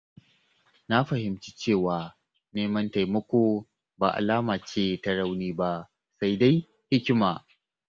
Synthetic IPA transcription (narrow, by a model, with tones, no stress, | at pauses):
na˦ɸɐ˨ɦɪ˨mt͡ʃiː˦t͡ʃeː˦˨waː˨ | neː˦mɐ˦nta˨jmɐ˦kʷo˦ | ba̰ː˨ʔa̰˨laː˦maː˨t͡ʃeː˦ta˦ɽa˦wniː˦ba˦ | sa˦jda˦j | hɪ˦kʲɪ˦maː˨